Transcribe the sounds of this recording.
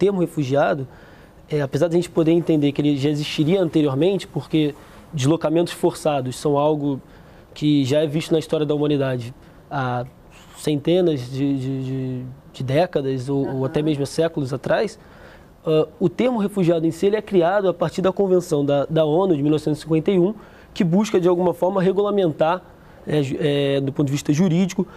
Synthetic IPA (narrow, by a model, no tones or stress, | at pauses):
t̪eɾmʊhefuʒiad̪ʊ | ɛapezaɾd̪ɐʒẽnt͡ʃɪ̥pod̪eɾẽnt̪ẽnd̪ekɪelɪeʒaeziʃt͡ʃiɾiɐɐ̃nt̪eɾioɾmẽnt͡ʃɪ̥poɾke | d͡ʒɪzlokamẽnt̪ʊ̥sfoɾsad̪ʊssɐ̃w̃awɡʊ | kʰɪʒaɛviʃt̪ʊnɐist̪ɔɾiɐd̪ɐumɐ̃nid̪ad͡ʒɪ | a | sẽnt̪ẽnɐzd͡ʒɪd͡ʒɪd͡ʒɪd͡ʒɪd̪ɛkɐd̪ɐzowowat̪ɛmeʒmʊasɛkʊlʊzat̪ɾajs | aʊt̪eɾmʊɦefuʒiad̪ʊẽsielɪɛkɾiad̪ʊapaɾt͡ʃiɾd̪ɐkõvẽsɐ̃w̃d̪ɐd̪ɐõnʊd͡ʒɪmilɔvɪsẽt̪zsĩkwẽnt̪ejũ | kɪbuʃkɐd͡ʒɪawɡũmɐfɔɾmɐɦeɡulamẽnt̪a | nɛʒɛʊpõt̪ʊd͡ʒɪviʃt̪ɐʒuɾid͡ʒikʊ